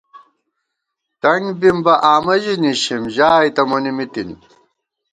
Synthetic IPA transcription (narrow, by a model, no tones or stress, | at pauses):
t̪ɐŋbimbɐʔaːmɐʑiniɕimʑaːjt̪ɐmunimit̪in